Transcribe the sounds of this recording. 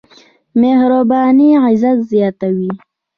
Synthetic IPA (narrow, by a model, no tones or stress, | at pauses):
mehɾabɑniʕɪzat̪zijɑːt̪awi